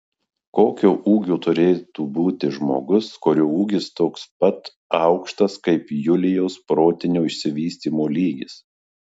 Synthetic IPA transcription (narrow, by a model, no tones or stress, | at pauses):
koːkʲoːʔuːɡʲuːt̪ʊɾʲeːt̪uːbuːt̪ʲɪʒmoːɡʊskoːɾʲuuːɡʲɪst̪oːkspɐt̪ | ɐˑʊkʃt̪ɐskɐɪpjʊlʲɪjɛʊspɾoːt̪ʲɪnʲuːɪʃʲsʲɪʋʲiːsʲt̪ʲiːmoːlʲiːɡʲɪs